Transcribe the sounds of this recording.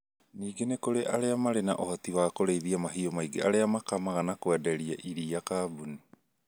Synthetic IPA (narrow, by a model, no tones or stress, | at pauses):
niːɡenekoɾeʔaɾeamaɾena̰ʔohotiwaːkoɾeiðiamaɦiomaiɡeʔaɾeamakamaɣanakoadaɾia̰ʔiɾiːakaːbuni